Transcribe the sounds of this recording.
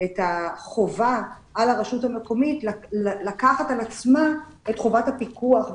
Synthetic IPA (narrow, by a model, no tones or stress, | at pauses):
etaχo̞vaː | laʁeʃuthame̞ko̞mitllakaχatalat͡sma | etχovathapikuaχ